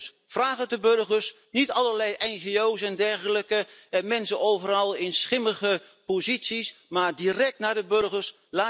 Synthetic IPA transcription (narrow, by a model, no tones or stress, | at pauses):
vraːχədəbɵrχəɹs | nitɑləɹlɛjʔɛnχeowsɛndɛɹχələkəmɛnsəʔowvərɑlˠɪnsχɪməχə | pozitsismaːɹdirɛk̚tnaːɹdəbɵɹχəɹs | laː